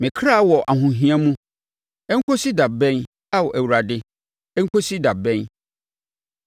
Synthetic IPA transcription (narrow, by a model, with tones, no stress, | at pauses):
mɪ̃˨kʰɾa˦wɔ˨ʔa˨ɦʊ̃˨ɦĩ˦ã˦mũ˦ | ɛ˦ŋ̩˦kʰo˦si˦da˨bɛ̃˦n | a˦wɔ˨ʔæ˨wu˨ɾa˨dɪ˦ | ɛ˦ŋ̩˦kʰo˦si˦da˨bɛ̃˦n